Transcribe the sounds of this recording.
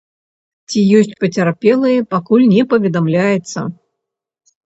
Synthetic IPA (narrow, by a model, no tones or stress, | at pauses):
t͡sʲijɔsʲt͡sʲpɐt͡sʲarpʲɛlˠɨjɐpakulʲnʲɛpɐvʲɛd̪amlʲajɛt̪sːɐ̰